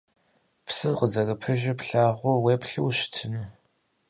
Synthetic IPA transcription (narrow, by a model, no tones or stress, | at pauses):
psɨqəzɐrɐpʰɨʒɪpɬaːʁʷʊweːpɬɨwɕtʰɨnɨ